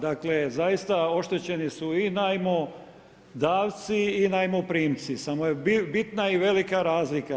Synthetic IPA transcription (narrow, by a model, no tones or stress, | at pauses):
d̪akle̞zajist̪ao̞ʃt̪e̞t͡ɕe̞nisuinajmo | d̪aːʋt̪siːnajmopɾiːmt̪sisamojebbit̪naiʋe̞likaɾaːzlika